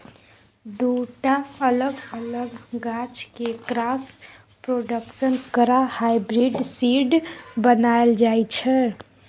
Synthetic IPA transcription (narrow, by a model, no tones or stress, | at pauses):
d̪uʈaələɡələɡɡat͡ʃkekɾas | pɾoɖəksənkəɾahajbɾiɖsiɖbənaeld͡ʒajt͡ʃʰɛ